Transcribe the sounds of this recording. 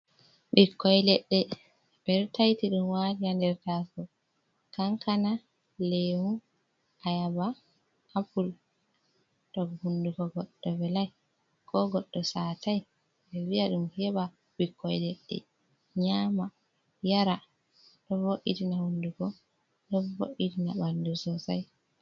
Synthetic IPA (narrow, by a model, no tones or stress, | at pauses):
ɓikːɔjlɛɗːɛ | bɛɾtajtiɗumwatiandɛɾtafɔ | kaŋkana | lewu | ʔajaba | apul | tɔɡhundukɔɡɔɗːɔvɛlaj | kʰɔɡɔɗːɔsaːtaj | ɓɛwiaɗumhɛɓa | bikʰːɔjdeɗːɛ̰ | ɲaːma | jaɾa | ɗɔvoʔːitinahundukɔ | ɗɔvo̰ʔitinaɓandusɔsa̰j